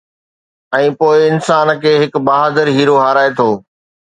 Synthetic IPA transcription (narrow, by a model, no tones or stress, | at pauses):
ɛ̃ːpoːɪɪnsaːnkʰeːɦɪkbaːɦaːd̪əɾɦiːɾoɦaːɾaːet̪ʰoː